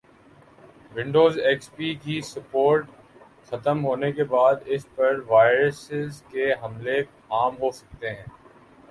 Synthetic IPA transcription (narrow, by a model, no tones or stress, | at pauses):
ʋɪ̃ɳɖoːzeːkspiːkisɐpoːɾʈ | xɐt̪əmɦoːnekebaːd̪ɪspɐɾʋaːɪɾəsɪzkeɦɐmle | aːmɦosɐ̥k̚t̪eɦɛ̃ː